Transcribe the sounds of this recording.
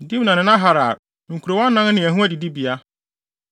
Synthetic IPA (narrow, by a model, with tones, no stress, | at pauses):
di˦bnã˨nɪ̃˨nã˦ɦa˨ɾa˨ | ŋ̩˨kʰu˨ɾo˨wɔ̃˦nː˦ã˦nnɪ̃˨æ˨ɦũ˦æ˦di˨di˦bi˨a˦